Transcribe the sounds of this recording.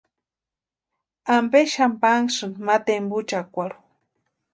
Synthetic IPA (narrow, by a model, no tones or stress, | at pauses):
ambeʃampaŋsɨnmat̪embut͡ʃakʷaɽu